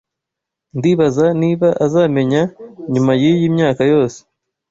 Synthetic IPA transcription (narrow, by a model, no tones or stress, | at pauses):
ndiːβazaniːβaʔazaːme̞ɲaɲumajijiːmɲaːkajo̞ːse̥